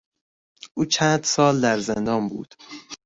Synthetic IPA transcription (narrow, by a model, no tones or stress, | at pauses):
ʔuːt͡ʃʰæːnd̪sɒːld̪æɾzend̪ɒːmbṵːd̪̥